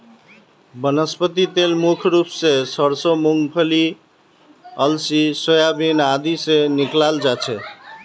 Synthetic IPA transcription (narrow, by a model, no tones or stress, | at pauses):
bənəspət̪it̪elmukʰɾupsesəɾsomuŋɡpʰəli | ʌlsisojabinad̪iseniklald͡ʒat͡ʃʰe